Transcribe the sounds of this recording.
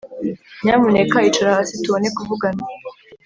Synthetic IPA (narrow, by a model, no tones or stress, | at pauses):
ɲaːmunekait͡ʃaɾaasituβonekuvuɡana